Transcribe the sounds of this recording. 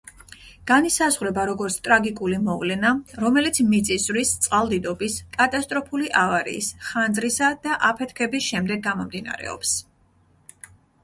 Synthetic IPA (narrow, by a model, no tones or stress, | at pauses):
ɡ̥anisazʁɾɛbaɾɔɡɔɾt̪sʰt̪ʼɾaɡikʼulimɔvlɛnaɾɔmɛlit̪sʰmit̪sʼiszɾist̪sʼqʼalˠd̪id̪ɔbiskʼat̪ʼast̪ʼɾɔpʰuliʔavaɾḭːsχanzɾisad̪̥aʔapʰɛt̪ʰkʰɛbisʃɛmd̪ɛɡ̚ːamɔmd̪ina̰ɾɛ̰ɔ̰ps